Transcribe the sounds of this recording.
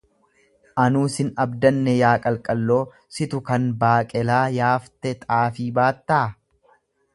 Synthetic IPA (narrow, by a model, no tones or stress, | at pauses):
ʔɐnuːsɪnɐbd̪ɐnːɛjaːkʼɐlkʼɐlːo̞ː | sɪt̪ʊkɐnbaːkʼɛlaːjaːft̪ɛt̪ʼaːfiːbaːt̪ːaː